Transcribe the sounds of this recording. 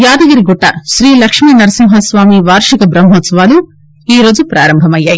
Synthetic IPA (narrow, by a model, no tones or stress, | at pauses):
jaːd̪ɐɡɐɾiɡuʈːaːʃɾiːlɐkʂmiːnɐɾɐsimɦɐsʋaːmiʋaːɾʂɐkɐbɾɐmɦɔt̪sɐʋaːlu | iːɾo̞ːd͡ʒupɾaːɾɐmbʱɐmɐjːaːji